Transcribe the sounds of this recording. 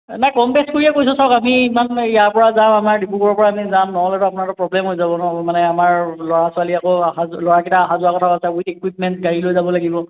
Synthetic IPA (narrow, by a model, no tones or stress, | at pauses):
najkɔmpɛskoɹiɛkojsɔsaʊkamiimanijaɹpɔɹazãamaɹdipukɔɔpɔɹaːmizãmnɔɔlɛtʊapʊnatʊpɹɔblɛmɦojzabɔnɔmanɛamaɹlɔɹasualiakoaxalɔɹakitaːxazʊakɔtʰaasɛuitekwip̚mɛnt̚ɡaɹilojzabɔlaɡibɔ